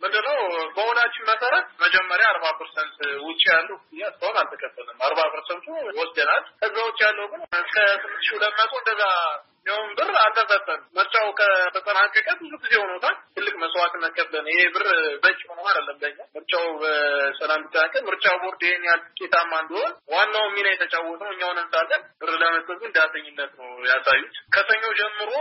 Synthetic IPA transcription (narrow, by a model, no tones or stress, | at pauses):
mɨnd̪ɨnːəwbəhonat͡ʃːɪnməsəɾət̪məd͡ʒɛmːəɾjaːɾbapʰəɾsənt̪wʊt͡ʃʼːijalːəwɡzizest̪əhonalt̪ʰəkʰʼəfːəlɨmaɾbapʰəɾsənt̪uwɔsd̪ənalkəzːawʊt͡ʃʼːijalːəwuɡɨnkʰət̪ʰɨmːɨnt̪ɨ̥ʃiuləmːat̪ʼoɨnd̪əza | miʊnbɨralt̪ʰəkʼət̪ʼːəlməɾt͡ʃʼawukʼʰət̪ʰət̪ʼənakʼːəkʼəbɨzuɡizehonowt̪ʰalt̪ʰɨlːɨkʼməswat̪ʼɨnːəkʰʼːəblənəjebɨrbət͡ʃʼːɪhonəwad̪əlːəmb̪əɲːamɨɾt͡ʃʼawbəsəlambɨt̪ʼːənakʼəmɨɾt͡ʃʼawboɾd̪ehenjalt̪ɨ̥kʼːet̪ʰamːand̪iho̞nwanːawmːinəjɛt̪ʰət͡ʃʼawɔt̪ʼəwɨɲːawnɨnsalːənbɨɾləmət̪ʼətɡɨnd̪at̪ʰəɲːɪnːət̪nəwjasajut̪kʰəsəɲːod͡ʒɛmːɨɾo